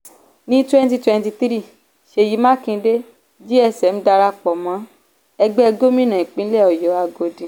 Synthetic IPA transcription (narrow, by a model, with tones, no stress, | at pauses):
nĩ˦twɛ̃˦nti˧twɛ̃˧nti˧t̪ɾi˦˨ | ʃe˧˨ji˨˦mã˦˨kĩ˧˦de˦ | d͡ʒi˦ɛ˦˨sɛ˨m̩˦da˧ɾa˧k͡pɔ˨mã˨˦ | ɛ˧ɡ͡bɛ˦ɛ˧ɡo˦mĩ˦nã˨ĩ˨k͡pĩ˦lɛ˦˨ɔ˨jɔ˨˦a˧ɡo˧dĩ˨